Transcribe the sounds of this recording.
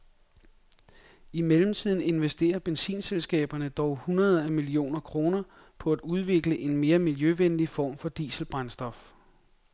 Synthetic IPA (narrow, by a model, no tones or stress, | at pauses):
imelm̩t͡sʰið̞̰ˠn̩e̝nʋesd̥e̝̰ːɐb̥ensḭːnselsɡ̥ɛ̰ːb̥ɐnəd̥ɒʊhunɐð̞ˠɐæmilio̝̰ːnɐkʰʁo̝ːnɐ | pʰɒ̽æd̥uð̞ˠʋe̝ɡ̥ləʔe̝nme̝ːɐmiljøʋenlifɒ̰ːmfɒ̽d̥ḭːsl̩b̥ʁansd̥ɒ̽f